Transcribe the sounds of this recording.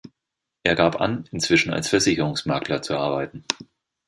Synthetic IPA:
ʔeːɐɡaːpʔa̰nɪnt͡sv̥ɪʃn̩a̰lsfɛɐzɪçəʁʊŋsmaɐklɐt͡suʔaɐbaɪtn̩

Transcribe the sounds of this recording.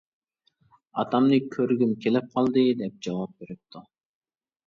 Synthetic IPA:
ɑt̪ʰɑmnɨkʲʰøɾɡʲymkʲʰelɪp̚qʰɑlˠd̪ɨd̪ɛp̚d͡ʒɑwɑp̚beɾɪp̚t̪ʰu

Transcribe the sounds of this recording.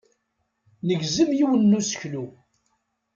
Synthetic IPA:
nəɡzəmjiwənːusə̥çlu

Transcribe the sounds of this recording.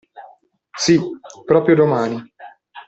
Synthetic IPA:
sipɾɔːpɾjod̪omaːni

